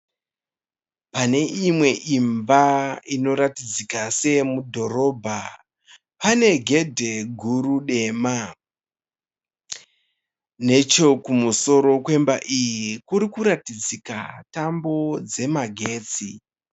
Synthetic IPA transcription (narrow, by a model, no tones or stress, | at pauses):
pane̞imwe̞ʔimbaino̞ɾatid͡zikase̞mudʱo̞ɾo̞ːbʱa | pane̞ɡʱe̞dʱe̞ɡʱuɾuɗe̞ːma | ne̞t͡ʃo̞kumuso̞ɾo̞kwe̞mbaʔijikuɾikuɾatid͡zika̰tambo̞d͡ze̞maɡʱe̞ːt͡si